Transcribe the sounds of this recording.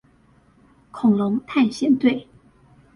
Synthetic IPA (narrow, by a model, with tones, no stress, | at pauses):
kʰʊ˨˩ŋlʊ˧˥ŋt̪ʰa˥˧nɕjɛ˥˧nt̪we˥˩ɪ